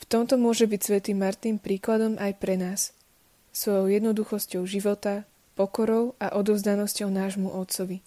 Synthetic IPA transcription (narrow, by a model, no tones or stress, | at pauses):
ft̪ɔmt̪ɔmʊɔʒɛbicsʋɛt̪iːmaɾt̪niːmpɾiːklad̪ɔmʔajpɾɛnaːsː | ʋɔjɔʊjɛd̪nɔd̪uxɔscɔʊʒiʋɔt̪a | pɔkɔɾɔʊaʔɔd̪ɔʊzd̪anɔscɔʊnaːʒmuʔɔt̪sɔʋi